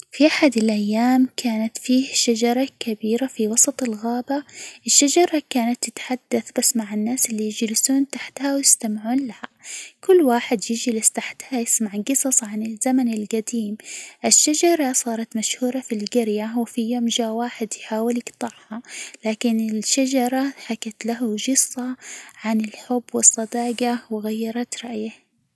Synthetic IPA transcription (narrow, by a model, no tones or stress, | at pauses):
fiʔaħad̪ɪlʔajːaːmkʰaːnat̪fiːhʃad͡ʒɑɾˤɑkabiːɾafiwɑsˤɑt̪ˤɪlɣaːbaʔɪʃːad͡ʒɑɾˤɑkaːnat̪ːɪt̪ħad̪̥ːaθbasmaʕɪnːaːsɪlːijɪd͡ʒlɪsuːnt̪aħt̪hawjɪst̪amʕuːnlahkʊlːwaːħɪd̪jɪd͡ʒlɪst̪aħt̪hajɪsmaʕɡɨsˤɑsˤʕanɪlzamanɪlɡad̪iːmʔɪʃːad͡ʒɑɾˤɑsˤɑːɾˤɑt̪maʃhuːɾˤɑfilɡɪɾjawɪfijoːmʒaːwaːħɪd̪jħaːwɪljɪɡt̪ˤɑʕhɑlaːkɪnɪlʃad͡ʒɑɾˤɑħakat̪laɦaʒɨsˤːɑʕanɪlħʊbːwɪsˤːɑd̪ɑːɡɑwɪɣajːɑɾˤɑt̪ɾˤɑʔjah